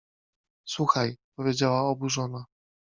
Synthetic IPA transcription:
swuxajpɔvʲjed͡ʑawaɔbuʐɔna

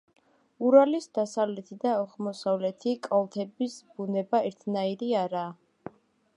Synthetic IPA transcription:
uɾalisd̪asavlɛt̪ʰid̪aɔχmɔsavlɛt̪ʰikʼɔlˠt̪ʰɛbisbunɛbaɛɾt̪ʰnaiɾiaɾaː

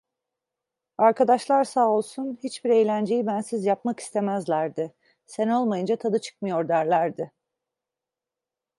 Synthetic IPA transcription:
aɾkad̪aʃlˠaɾsaːolˠsunhit͡ʃbiɾe̞jlʲænd͡ʒe̞jibænsizjapmaki̥st̪ʰe̞mæzlʲæɾd̪ɪ | seno̞lˠmajɯnd͡ʒat̪ʰad̪ɯt͡ʃʰɯ̥k̚mɯjo̞ɾd̪æɾlʲæɾd̪ɪ

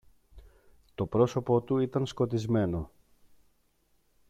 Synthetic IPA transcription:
t̪o̞pɾo̞so̞po̞t̪uit̪ɐnsko̞t̪izme̞no̞

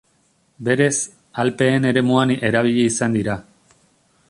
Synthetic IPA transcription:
be̞ɾe̞s | alpe̞ːne̞ɾe̞muane̞ɾaβ̞iʎeisand̪iɾa

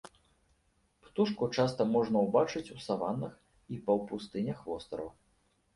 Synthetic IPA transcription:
pt̪uʂkut͡ʂast̪ɐmɔʐnɐwbat͡ʂɨt͡sʲusavanːɨx | ipɐwpust̪ɨnʲɐxvɔst̪ɾɐ̰w

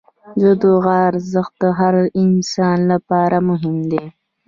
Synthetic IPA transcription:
zəd̪oɣaːɾzəxt̪̚d̪əɦaɾɪnsɑːnlapɑːɾamʊɦɪmd̪e

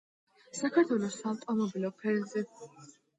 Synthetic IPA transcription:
sakʰaɾt̪ʰwɛlˠɔsaːvt̪ʼɔmɔbilɔpʰɛɾzɛ

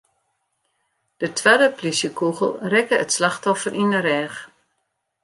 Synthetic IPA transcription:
d̥ətʰʋɛdəplisjəkuɣəlˠrɛkəətslaxtɔfərʔinəɾɛːx

